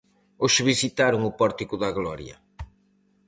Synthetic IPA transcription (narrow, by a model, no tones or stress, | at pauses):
oʃβisit̪aɾʊŋʊpɔɾt̪ikʊðɐɣlɔɾjɐ̰